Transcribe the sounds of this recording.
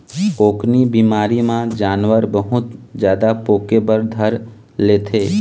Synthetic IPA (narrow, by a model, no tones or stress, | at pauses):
oːknibiːmaːɾimãd͡ʒaːnwəɾbəɦʊt̪d͡ʒjaːd̪apoːkebəɾd̪ʱəɾ | leːt̪ʰeː